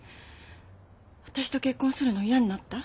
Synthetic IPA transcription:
βat̪aɕi̥t̪o̞ke̞kːõsɨɾɯ̟no̞ijaɲ̟inat̪ːa

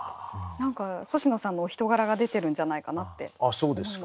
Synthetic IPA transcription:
nãŋkahoɕino̞sãnːoːçʲi̥t̪o̞ɡaɾaɡad̪e̞t̪e̞ɾɯ̟̃ɲd͡ʑanaikanat̪ːe̞̰aso̞ːd̪e̞sɨ̥k

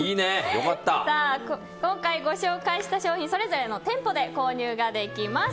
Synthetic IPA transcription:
iːnejo̰kat̪ːasaː | kõ̞ŋkaiɡo̞ɕo̞ːkaiɕi̥t̪aɕo̞ːçĩso̞ɾe̞zo̞ɾe̞no̞t̪ẽ̞mpo̞d̪e̞ko̞ːɲ̟ɯːɡad̪e̞kʲimas

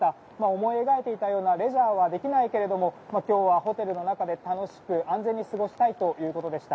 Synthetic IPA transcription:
a | maomo̞ieɡaet̪e̞it̪ajo̞ːnaɾe̞ʑaːβad̪e̞kʲinaike̞ɾe̞d̪o̞mo̞makʲo̞ːβaho̞t̪e̞ɾɯ̟no̞nakad̪e̞t̪ano̞ɕi̥kɯ̟ʔãnd͡zẽ̞ɲ̟ːisɨɡo̞ɕi̥t̪ait̪o̞jɯ̟ːko̞t̪o̞d̪e̞ɕi̥t̪a

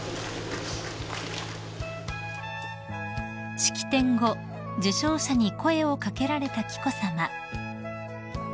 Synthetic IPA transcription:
ɕi̥kʲi̥t̪ẽ̞ŋɡo̞ | d͡ʑɨɕo̞ːɕaɲ̟iko̞e̞o̞kake̞ɾaɾe̞t̪akʲi̥ko̞sama

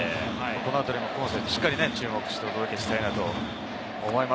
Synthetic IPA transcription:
ehaiko̞noat̪oɾʲimokõɰ̃set̪eɕi̥kːaɾʲine̞t͡ɕɨːmo̞kɯ̟ɕi̥t̪e̞ot̪o̞d̪o̞kʲe̞ɕi̥t̪ainat̪oː | mo̞ima

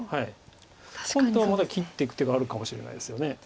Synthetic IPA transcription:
hai | hõnt̪o̞βamad̪akʲit̪ːeikɯ̟t̪eɡaːɾɯ̟kamoɕiɾe̞na̰id̪e̞sɨjo̞ne̞

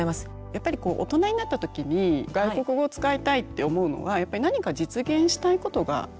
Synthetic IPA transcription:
imasɨ̥ | japːaɾʲiko̞ːʔo̰t̪o̞naɲ̟inat̪ːat̪o̞kʲiɲ̟iɡaiko̞kɯ̟ɡo̞t͡sɨ̥kait̪ait̪ːe̞o̞mo̞ɯ̟no̞̰βajapːaɾinaɲ̟ikad͡ʑit͡sɨɡẽ̞ɰ̃ɕi̥t̪aiko̞t̪o̞ɡa̰

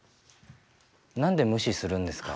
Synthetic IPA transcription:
nãnd̪e̞mɯ̟ɕisɨɾɯ̟̃nd̪esɨ̥ka

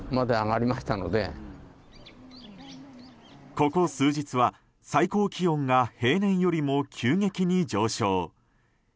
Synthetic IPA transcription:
mad̪eaŋaɾʲimaɕi̥t̪ano̞̰d̪ḛ | ko̞ko̞sɨːd͡ʑit͡sɨβa | saiko̞ːkʲijõ̞ŋɡahe̞ːnẽ̞ɰ̃jo̞ɾʲimo̞kʲʰɨːŋe̞kʲiɲ̟id͡ʑo̞ːɕo̞ː

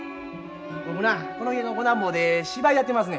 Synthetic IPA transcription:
bokɯnakonoienokonãmboːd̪eɕibaiat̪ːemas̬ɨne

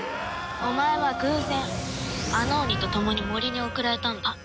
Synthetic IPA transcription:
o̞mae̞βaɡɯ̟̃ːzẽ̞ɰ̃ | ano̞ːmʲit̪o̞t̪o̞mo̞ɲ̟imoɾʲiɲ̟io̞kɯ̟ɾaɾe̞t̪ãŋɡ̪a

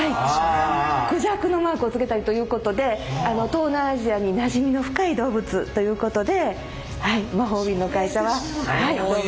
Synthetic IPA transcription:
ai | kɯ̟ʑakɯ̟no̞maːkɯ̟ot͡sɨ̥ke̞t̪aɾʲit̪o̞jɯ̟ːko̞t̪o̞d̪e̞ano̞t̪o̞ːnaːʑiaɲ̟inaʑimʲino̞ɸɯ̟̥kaid̪o̞ːbɯ̟t͡sɨt̪o̞jɯ̟ːko̞t̪o̞d̪e̞ | haimaɦo̞ːbʲĩnːo̞kaiɕaβahai

